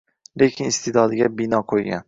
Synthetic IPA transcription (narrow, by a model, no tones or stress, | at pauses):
le̞kʲʰɪnɪst̪ʰed̪ɒd̪ɪɡʲabɪnɒqʰojɡʲa̰n